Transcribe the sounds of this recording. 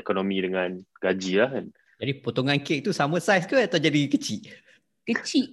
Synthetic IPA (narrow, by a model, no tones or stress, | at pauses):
ekonomĩdəŋãnɡad͡ʒilahkan | d͡ʒadipot̪oŋãnkeʔ̚t̪usamə̃sajskuat̪ad͡ʒadikət͡ʃiʔ | kət͡ʃiʔ